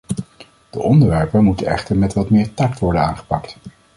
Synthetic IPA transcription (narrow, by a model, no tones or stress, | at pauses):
d̥əʔɔndəɹʋɛɹpənmutənɛ̰χtəɹmɛtʋɑtmɪːɹtɑk̚tʋɔɹdənaːnχə̥pɑkt